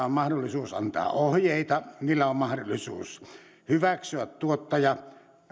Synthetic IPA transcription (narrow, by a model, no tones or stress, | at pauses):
ommɑhdolːˑisuːsɑ̰nt̪ɑ̰ːʔohjeˑit̪ɑniːlːæommɑhdolːˑisṵːs | hyʋæksyæt̪t̪uot̪ːɑjɑ